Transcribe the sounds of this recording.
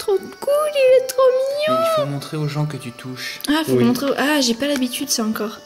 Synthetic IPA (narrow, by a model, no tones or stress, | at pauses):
t̪χokulilɛt̪χomiɲɔ̃mɔ̃t̪χeoʒɑ̃k̬ət̪yt̪ʰuʃafomɔ̃t̪χeoʔaʒepalabit̪yd̪saɑ̃kɔːʁ